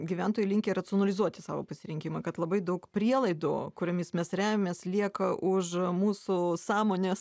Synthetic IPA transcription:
ɡʲiʋʲæˑnt̪oːjɪlʲɪŋkʲeːɾɐt͡s̪ʲonɐlʲɪzuɔt̪ʲɪsɑːʋo̰ːpɐsʲɪɾʲɪŋʲkʲimɐkɐt̪lˠɐbɐɪd̪ɐʊkpʲɾʲiɛlˠɐɪd̪ʊ̰kʊɾʲɛmʲɪsmʲɛsɾʲæːmʲemʲeːslʲiɛkɐʔʊʃmuːsʊsɑːmoːnʲeːs

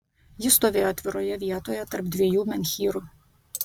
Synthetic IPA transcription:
jɪst̪ɔʋʲeːjɔt̪ʲʋʲɪɾɔjɛʋʲiɛt̪ɔjɛt̪ɐɾb̚d̪ʲʋʲɛjuːmʲɛnʲxʲiːɾʊ

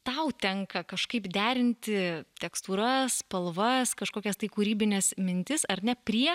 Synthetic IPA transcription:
t̪ɐʊt̪ʲɛŋkɐkɐʃkɐɪpd̪ʲæːɾʲɪnʲt̪ʲɪt̪ʲɛkst̪uːɾɐspɐlˠʋɐskɐʃkoːkʲɛst̪ɐɪkuːɾʲiːbʲɪnʲɛsmʲɪnʲt̪ʲɪsɐɾnʲɛpʲɾʲiɛ

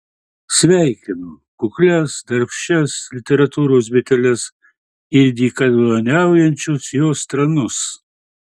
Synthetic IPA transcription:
sʲʋʲæɪkʲɪno | kʊklʲɛsd̪ɐɾpʲʃʲɛslʲɪt̪ʲɛɾɐt̪uːɾoːs̬bʲɪt̪ʲɛlʲɛs | ɪɾʲd̪ʲiːkɐd̪ʋɐnʲæˑʊjɛnʲt͡ʃʲʊsjoːst̪ɾɐnʊs

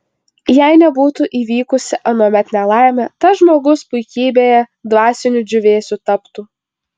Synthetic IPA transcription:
jæɪnʲɛbuːt̪uʔiːʋʲiːkʊsʲɪʔɐnuɔmʲɛt̪ʲnʲɛlˠɑˑɪmʲɛt̪ɐʒmoːɡʊspʊɪkʲiːbʲeːjɛd̪ʋɑːsʲɪnʲʊd͡ʒʲʊʋʲeːsʲuːt̪ɐpt̪uː

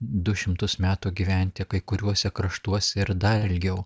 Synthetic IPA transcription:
d̪ʊʃʲɪmt̪ʊsmʲæːt̪uːɡʲiʋʲænʲt̪ʲɪkɐɪkʊɾʲuɔsʲɛkɾɐʃt̪uɔsʲɛɪɾd̪ɐɪlʲɡʲɛʊ

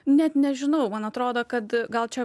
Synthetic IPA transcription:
nʲɛt̪nʲɛʒʲɪnɐʊmɐnɐt̪ɾoːd̪oːkɐt̪ɡɐlˠt͡ʃʲɛ

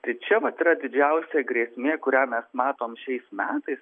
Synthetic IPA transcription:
t̪ɐɪt͡ʃʲɛʋɐt̪ɪɾɐd̪ʲɪd͡ʒʲɛʊsʲeːɡɾʲiːsʲmʲeːkʊɾʲæːmʲɛsmɑːt̪oːmʃʲɛɪsmʲæːt̪ɐɪs

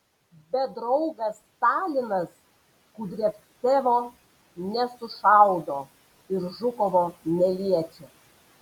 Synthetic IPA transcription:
bʲɛd̪ɾɔʊɡɐst̪ɑːlʲɪnɐs | kuːd̪ʲɾʲiɛp̪ | t̪ʲeːʋoː | nʲɛsʊʃɑʊd̪oː | ɪɾʒʊkɔʋoːnʲɛlʲiɛt͡ʃʲɛ

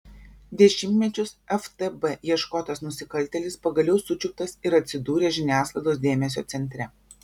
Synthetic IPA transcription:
d̪ʲɛʃʲɪmʲt̪ʲmʲɛt͡ʃʲʊsɛft̪ɛbɛjiɛʃkoːt̪ɐsnʊsʲɪkɐlʲt̪ʲɛlʲɪspɐɡɐlʲɛʊsʊt͡ʃʲʊk̚t̪ɐsɪɾɐt̪ʲsʲɪd̪uːɾʲeːʒʲɪnʲæːslˠɐɪd̪oːs̬d̪ʲeːmʲɛs̬ʲoːt̪sʲɛnʲt̪ʲɾʲɛ

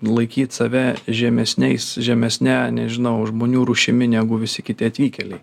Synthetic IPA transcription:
lˠɐɪkʲiːt̪sɐʋʲɛʒʲɛmʲɛsʲnʲɛɪsʒʲɛmʲɛsʲnʲænʲɛʒʲɪnɐʊʒmoːnʲuːɾuʃʲɪmʲɪnʲæːɡʊʋʲɪsʲɪkʲɪt̪ʲɪɐt̪ʲʋʲiːkʲɛlʲɛɪ

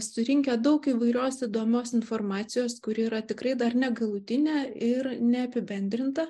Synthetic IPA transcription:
sʊɾʲɪŋʲkʲɛd̪ɐʊkiːʋɐɪɾʲoːsid̪oːmʲoːsɪnformɑːt̪sʲɪjoːskʊɾʲɪːɾɐt̪ʲɪkɾɐɪd̪ɐɾnʲɛɡɐlˠʊt̪ʲɪnʲɛɪɾnʲɛɐpʲɪbʲɛnʲd̪ʲɾʲɪnt̪ɐ

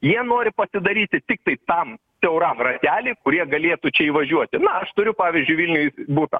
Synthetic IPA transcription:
jiɛnoːɾʲɪpɐsʲɪd̪ɐɾʲiːt̪ʲɪt̪ʲɪk̚t̪ɐɪt̪ɐm | sʲɛʊɾɑmrɐt̪ʲæːlʲɪkʊɾʲiɛɡɐlʲeːt̪ut͡ʃʲɛiːʋɐʒʲuɔt̪ʲɪnɐɐʃt̪ʊɾʲʊpɑːʋʲiːzʲd͡ʒʲʊɪʋʲɪlʲnʲʊjbuːt̪ɐ̰

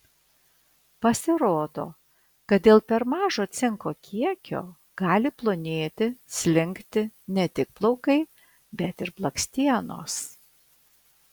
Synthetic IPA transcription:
pɐsʲɪɾoːd̪o̰ː | kɐt̪̚d̪ʲeːlˠpʲɛɾmɑːʒoːt̪sʲɪŋkoːkʲʰiɛkʲo̰ː | ɡ̥ɑːlʲɪplˠʊnʲeːt̪ʲɪsʲlʲɪŋʲkt̪ʲɪnʲɛt̪ʲɪk̚plˠɔʊkɐɪ | bʲɛt̪ɪɾblˠɐksʲt̪ʲiɛno̰ːs

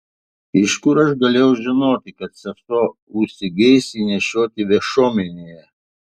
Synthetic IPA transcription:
ɪʃkʊɾɐʃɡɐlʲeːjɛʊʒʲɪnoːt̪ʲɪkɐt̪sʲɛsoːʊʃsʲɪɡʲɛɪsʲinʲɛʃʲoːt̪ʲɪʋʲɛʃoːmʲɛnʲejɛ

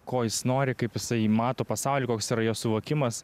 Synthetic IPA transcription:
koːjɪsnoːɾʲɪkɐɪpjɪsɐɪmɑːt̪oːpɐsɑʊlʲikoːksiːɾɐjoːsʊʋoːkʲɪmɐs

